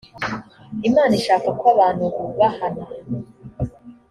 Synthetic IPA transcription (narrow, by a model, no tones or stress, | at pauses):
imaːniʃaːkakwaβaːnhukuβahana